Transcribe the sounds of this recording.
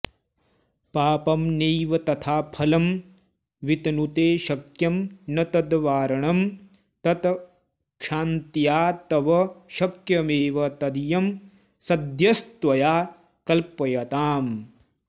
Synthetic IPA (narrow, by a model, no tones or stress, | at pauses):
paːpɐmneːʋɐt̪ɐt̪ʰaːpʰɐlɐm | ʋit̪ɐnut̪eːʃɐkjɐmnɐt̪ɐd̪ʋaːɾɐɳɐm | t̪ɐt̪ɐ | kʃaːnt̪ijaːt̪ɐʋɐʃɐkjɐmeːʋɐt̪ɐd̪ijɐm | sɐd̪jɐst̪ʋɐjaː | kɐlpːɐjɐt̪aːm